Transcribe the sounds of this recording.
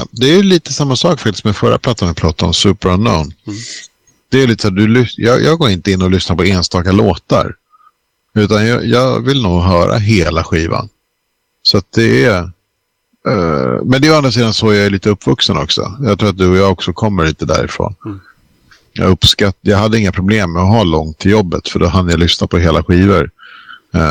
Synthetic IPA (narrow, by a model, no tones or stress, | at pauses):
d̪ɛæjəliːt̪ə̥samːasɑːkfakt̪ɪ̥st̪mɛfœɾːʔa̰pʰlat̪ːanɪpʰlɔt̪ʰːɔ̰nsʉ̟ːpəɾnːɔʊn | d̪̥ɛːjliːt̪ə̥saːd̪ɵlʏjɑːjʔɑːɡoːɾɪnt̪əɪnːɔlʏsnaɾpɔeːnst̪ɑːkaloːt̪a̰ɾ | ʉ̟ːt̪anjɑ̰ːjɑːvɪlnuːɡɦœːɾa̰ɦeːlaɧiːva̰n | sɔat̪̚d̪ɛæ | mɛnd̪ɛand̪ɾas̬iːd̪ansɔjɑːɛɭiːt̪əɵpːvɵksənɔksɔ̰jɑɡt̪ʰɾuːat̪̚d̪ɵɔjɑːɡɔksɔkʰɔmːəɭiːt̪əd̪æ̰ːɾɪ̰fɾo̰ːn | jɑ̰ɵpskat̪jɑːɡɦad̪ːəɪŋːapʰɾʊbleːmːɛɔɦaːlɔŋt̪ʰːɪljɔbːə̰t̪fœɖɔɦand̪əjalʏsnapʰɔɦeːlaɧiːvəɾ